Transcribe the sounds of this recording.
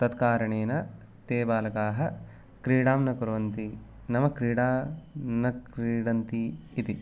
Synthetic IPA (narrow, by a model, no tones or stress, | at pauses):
t̪ɐt̪kaːɾɐɳeːnɐ | t̪eːbaːlɐkaːɦɐ | kɾiːɽaːmnɐkuɾɐʋɐnt̪i | nɐmɐkɾiːɽaːnɐkɾiːɽɐnt̪iːt̪i